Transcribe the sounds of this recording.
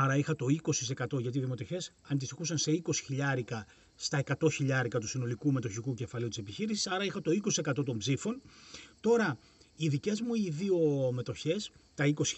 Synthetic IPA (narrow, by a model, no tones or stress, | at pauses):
ɐɾɐixɐt̪o̞iko̞sise̞kɐt̪o̞ʝɐt̪iðimo̞t̪oçe̞sɐnd̪isixusɐnse̞iko̞si̥çiʎɐɾikɐ | st̪ɐe̞kɐt̪o̞çiʎɐɾikɐt̪usino̞likume̞t̪o̞çikuce̞fɐliut̪ise̞piçiɾisi̥sɐɾɐixɐt̪o̞ikosise̞kɐt̪o̞t̪o̞mbzifo̞nt̪o̞ɾɐ | iðice̞zmuiðio̞me̞t̪o̞çe̞st̪ɐiko̞si̥